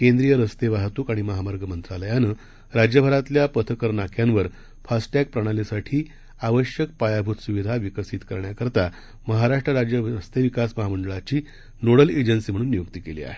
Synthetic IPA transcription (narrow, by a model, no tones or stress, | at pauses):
kend̪ɾijəɾəst̪eʋaɦt̪uːkaɽ̃iməɦamaɾɡʱəmənt̪ɾaləjanəː | ɾad͡ʑjəbʱəɾat̪ljapət̪ʰəkəɾnakʰjãnʋəɾ | fasʈak̚pɾəɽ̃alisaʈʰiː | aʋəɕjək̚pajabʱut̪suʋid̪ʱaʋikəsit̪kəɾɳjakəɾt̪a | məɦaɾaʂʈɾəɾad͡ʑjəəst̪eʋikasməɦaməɳɖəɭat͡ɕiː | noɽəled͡ʑənsiːm̤əɽ̃uːnːijukt̪iːkelḭːa̰ɦe